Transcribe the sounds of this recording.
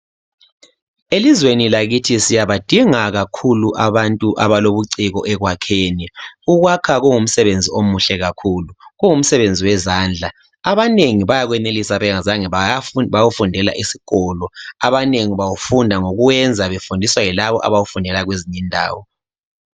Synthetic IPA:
elizwenilaɣitʰisijaβad̥ʱiŋaɣakʰuluʔaβantʼuʔaβaloβuǀiɣɔ̰ʔɛɣwakʰeːniuɣwakʰaɣuŋum̩sɛβend͡zʱiomuɬɛɣakʰuːluɣuŋum̩sɛβend͡zʱiwɛzaːnd͡ɮʱa | aβaneŋiβajaɣwɛnelisaβɛɣazaŋɛaβawufundʱɛla̰ʔisi̥ɣɔlɔaβaneŋiβawufundʱaŋoɣuwɛnd͡zʱaβefundʱiswajilaβɔ̰ʔa̰βawufundʱɛlaɣweziɲindʱa̰ːwɔ

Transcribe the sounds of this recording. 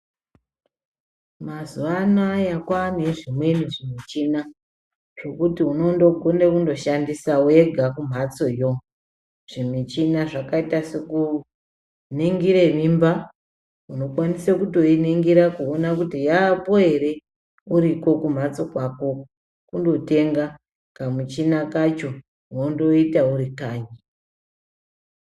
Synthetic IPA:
mazuʋanajakwaneʐimwe̞niʐimit͡ʃina | ʐ̥o̞kutiuno̞ndo̞ɡʱondekundo̞ʃandisaue̞ɡʱakum̤at͡so̞jo | ʐ̥imit͡ʃinaʐakaitaseku | neŋɡiɾeʋimba | uno̞kwanisekuto̞iniŋɡiɾakuonakutijaːpo̞e̞ɾe̞ | uɾiko̞kum̤at͡so̞kwako̞ | kundo̞te̞ŋɡa | kamut͡ʃinakat͡ʃo̞ | uondo̞itauɾikaːɲi

